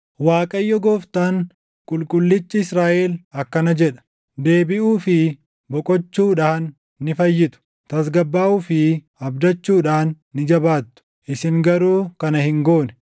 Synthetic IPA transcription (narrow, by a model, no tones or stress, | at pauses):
waːkʼɐjːɔɡoːft̪aːŋ | kʼʊlkʼʊlːɪt͡ʃːɪɪsɾaːʔɛːlɐkːɐnɐd͡ʒɛᶑɐ̥ | d̪e̞ːbɪʔuːfɪ | bɔkʼɔt͡ʃːuːᶑaːnː | ɪfɐjːɪt̪ʊ̥ | t̪ɐsɡɐbːaːʔuːfɪ | ɐbd̪ɐt͡ʃːuːᶑaːnːɪd͡ʒɐbaːt̪ːʊ̥ | ʔɪsɪŋɡɐɾuːkɐnɐhɪŋɡo̞ːnɛ̥